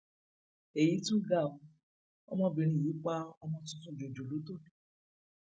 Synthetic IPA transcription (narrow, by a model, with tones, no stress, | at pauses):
e˨ji˨˦tũ˦ɡa˦˨o˧˨˧ | ɔ̰˦mɔ̃˧bĩ˨˧ɾ̃ĩ˦˨ji˨˦k͡pa˦ɔ˧mɔ̃˧tũ˧tũ˦˨d͡ʒo˨d͡ʒo˨lo˨˦to˦˨ĩ˨